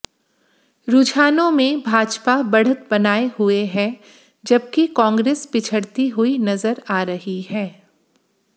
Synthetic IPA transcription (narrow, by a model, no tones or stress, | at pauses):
ɾʊd͡ʒaːnõmẽbʱaːd͡ʒpabɐɽ̤ət̪̚bɐnaːeɦʊeɦɛ̃ː | d͡ʒɐb̚kikɔ̃ːŋɡɾeːspɪt͡ʃʰəɽt̪iɦʊinɐzəɾaːɾɐɦiɦɛː